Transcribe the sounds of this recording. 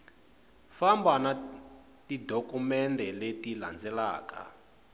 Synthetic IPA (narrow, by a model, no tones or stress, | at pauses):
fambana | tidokumɛndʱɛletila̰nd͡zɛla̰ːka̰